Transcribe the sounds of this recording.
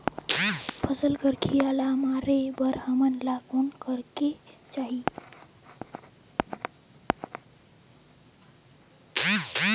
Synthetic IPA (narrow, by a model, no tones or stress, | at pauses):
pʰəsəlɡəɾkʰijalamaɾebəɾhəmənlakonkəɾket͡ʃaɦi